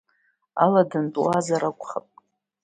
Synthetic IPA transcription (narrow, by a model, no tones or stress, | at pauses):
aladɨntʼwazaɾakʷʼχapʼ